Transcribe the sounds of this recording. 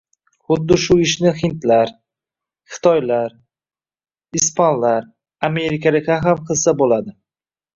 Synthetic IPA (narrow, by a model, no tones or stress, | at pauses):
χʊd̪ːɪʃʊɪʃnɪhɪnt̪laɾ | χɪ̥t̪ʰɒjlaɾ | ɪspʰanlaɾ | ame̞ɾɪkʲʰalɪkʲaɦamqʰɨlsabolad̪ɪ